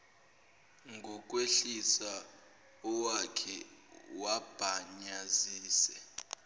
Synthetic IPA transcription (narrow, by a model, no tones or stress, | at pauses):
ŋʱɔk̬ʼweɬisa | ɔwakʰɛwab̥ʱaɲaziːsɛ